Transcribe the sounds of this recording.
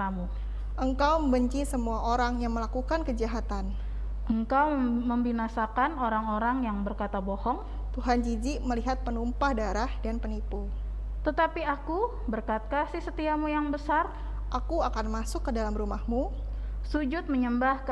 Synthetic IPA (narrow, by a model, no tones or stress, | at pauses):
amu | ʔəŋkawməmbəɲt͡ʃisəmuaʔoɾaŋjaŋməlakukankəd͡ʒaɦat̪an | əŋkawməmbinasakanoɾaŋoɾaŋjaŋbərkat̪abɔhɔŋ | t̪uɦand͡ʒid͡ʒiməliɦat̪̚pənumpahdaɾahdanpənipu | t̪ət̪apiaku | bərkat̪̚kasisət̪iamujaŋbəsar | ʔakuakanmasʊkːədalamɾumahmu | sud͡ʒʊt̪̚məɲəmbahk